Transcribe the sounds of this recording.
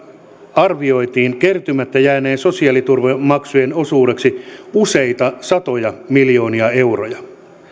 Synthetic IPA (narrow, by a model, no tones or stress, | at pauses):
ɑrʋio̞jt̪iːŋke̞rt̪ymæt̪ːæjæːne̞ːnso̞siɑlit̪urʋemmɑksuje̞no̞suːde̞ksiuse̞it̪ɑsɑt̪o̞jɑmiljo̞ːniɑe̞wrojɑ